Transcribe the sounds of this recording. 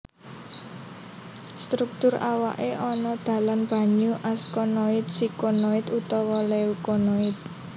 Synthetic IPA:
st̪ɾuk̚t̪ʊɾawa̰ʔeʔɔnɔd̪̥ä̤lanb̥ä̤ɲuʔaskɔnoɪt̪̚sikonoɪt̪ut̪ɔwɔleukɔnoɪt̪̚

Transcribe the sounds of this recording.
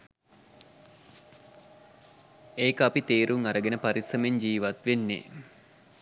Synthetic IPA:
eːkəapit̪eːɾʔuŋɐɾəɡenəpaɾisɐmeɲd͡ʒiːʋat̪ʋenːḛ

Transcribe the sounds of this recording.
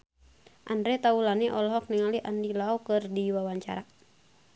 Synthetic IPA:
ʔandɾɛt̪aulaniʔɔlɔɦɔk̚niŋaliʔandilaɔkɨrdiwawaɲt͡ʃa̰ɾa

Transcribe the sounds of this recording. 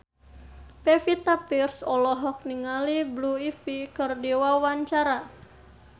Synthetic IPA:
pɛfit̪apirsɔlɔɦɔk̚niŋalibluifikɨrdiwawaɲt͡ʃaɾa

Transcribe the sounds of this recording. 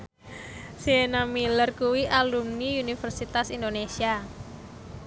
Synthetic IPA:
sienamilərkuwiʔalumniunifərsit̪asind̪onesia

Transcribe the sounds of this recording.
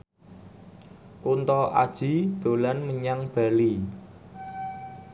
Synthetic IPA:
kunt̪ɔʔa̰d̥ʒ̥i̤d̪̥o̤lanməɲaŋb̥a̤li

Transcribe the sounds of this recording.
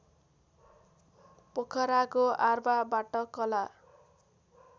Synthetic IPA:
pokʰʌɾakoarbabaʈʌkʌla

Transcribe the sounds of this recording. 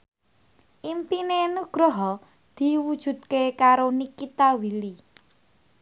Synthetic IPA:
ʔimpinenuɡ̥ɾɔɦɔ | d̪̥i̤wud̥ʒ̥ṳt̪̚kekaɾonikit̪awili

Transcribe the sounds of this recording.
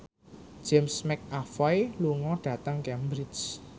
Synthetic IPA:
d͡ʒ̥ɛmsmɛk̚afɔjluŋɔɖ̥ä̤t̪əŋkɛmbɾid͡ʒ

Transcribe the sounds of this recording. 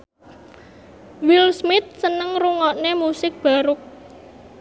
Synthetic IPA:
wɪlsmɪt̪̚sənəŋruŋɔʔnemusɪk̚b̥a̤ɾʊk̚

